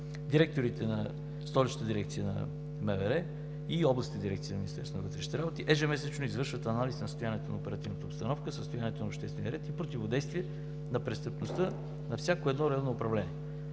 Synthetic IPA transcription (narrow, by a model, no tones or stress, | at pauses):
d̪iɾɛk̚t̪oɾit̪ɛnɐ | st̪ɔlʲit͡ʃnət̪əd̪iɾɛk̚t̪sijənɐ̰ | mɛvɛɾɛ | iɔblˠɐst̪əd̪ʲiɾɛkt̪sijənminist̪ɛɾsonəvət̪ɾɛʃnit̪iɾabot̪iʔɛʒɛmɛsɛt͡ʃnoizvɤɾʃvət̪ɐnalisnəst̪ojaniɛt̪onɐopɛɾɐt̪ivnət̪əopst̪ɐnɔfkəsəst̪ojanɛt̪onɐopʃt̪ɛst̪vɛniəɾɛt̪ipɾot̪ivod̪ɛjst̪viɛ | nɐpɾɛst̪əpnost̪ɤ | nɐfsʲakoɛd̪nɔɾɛanoːpɾɐvlɛniɛ